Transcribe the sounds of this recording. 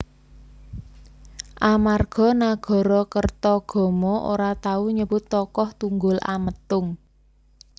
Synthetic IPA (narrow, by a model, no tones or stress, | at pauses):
ʔamarɡ̥ɔ̤naɡ̥ɔ̤ɾɔkərt̪ɔɡ̥ɔ̤mɔʔo̰ɾat̪auɲəbʊt̪ːɔkɔht̪uŋɡʊla̰mət̪ʊŋ